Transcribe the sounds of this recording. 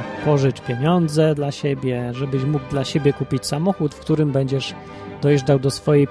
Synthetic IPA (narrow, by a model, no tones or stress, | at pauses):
pɔʐɘt͡ɕpʲjeɲɔnd̪zɛd̪laɕebʲjɛʐɛbɘɕmuɡ̚d̪laɕebʲjɛkupʲit͡ɕʲsamɔxut̪fkt̪uɾɘmbɛɲd͡ʑɛʐ | d̪̥ɔjʐdawd̪ɔsfɔjɛj